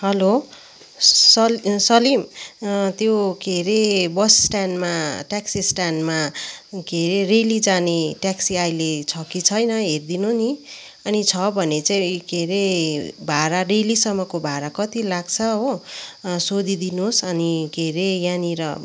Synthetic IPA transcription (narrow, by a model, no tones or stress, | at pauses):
hʌlo | sʌsʌlimt̪joɡeɾebʌssʈanmaʈaksisʈanmaɡʱeɾerelid͡zaneʈaksiajlet͡sʰʌkit͡sʰʌjnʌɦerd̪inuni | ʌnit͡sʰʌbʱʌnet͡saĩkeɾebʱaɾarelisʌmːʌkobʱaɾakʌt̪ilaɡt͡sʰʌɦo | sod̪id̪inosʌniɡʱeɾejaniɾʌ